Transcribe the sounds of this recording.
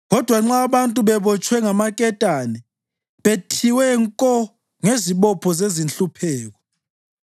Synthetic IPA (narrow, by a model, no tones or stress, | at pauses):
ɣɔd̥ʱwaŋ͡ǁaβantʼuβɛβɔt͡ʃʼwɛŋamakʼɛtʼanɛ | βetʰiwɛŋkʼɔ | ŋeziβɔpʰɔzezint͡ɬʼupʰɛːɣ̬ɔ